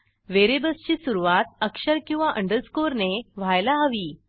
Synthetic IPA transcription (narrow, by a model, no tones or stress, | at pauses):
ʋeɾebəst͡ɕiːsuɾuʋat̪̚əkʂəɾkĩw̃ʋaʔəɳɖəɾskoɾneʋ̤ajlaaʋiː